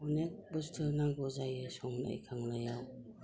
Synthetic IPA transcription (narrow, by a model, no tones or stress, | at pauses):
ɔnek̚bɯstʰɯnaŋbɔzajɯsɔŋna̰jkʰaŋlajaw